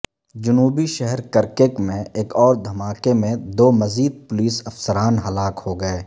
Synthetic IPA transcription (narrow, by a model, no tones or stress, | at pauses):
d͡ʒʊnuːbiʃɛɦɛɾkɐɾkekmẽeːkɔːɾd̪ʱɐmaːkemẽd̪oːmɐziːd̪̚pʊliːsɐfsəɾaːnɦɐlaːkhoɡɐeː